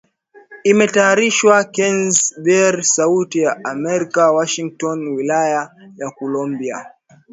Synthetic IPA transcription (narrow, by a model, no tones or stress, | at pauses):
imɛtaaɾiʃwakɛnzbɛɾsautijaʔamɛɾikawaʃiŋk̚tɔnwilajajakɔlɔmbia̰